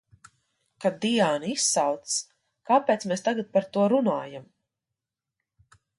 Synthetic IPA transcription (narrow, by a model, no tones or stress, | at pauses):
kad̪ijaːnisawt̪s | kaːpeɛːt̪smeːst̪aɡat̪̚paɾt̪uɔɾunaːjam